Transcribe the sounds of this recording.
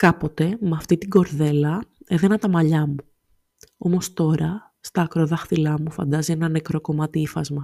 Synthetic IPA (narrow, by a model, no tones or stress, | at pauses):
kɐpo̞t̪e̞mɐft̪it̪iɡo̞ɾðe̞lɐeðenɐt̪ɐmɐʎɐmu | o̞̰mo̞st̪o̞ɾɐ | st̪ɐːkɾoðɐxθilɐmufɐ̰nd̪ɐzienɐnekɾo̞ko̞mɐt̪iifɐzmɐ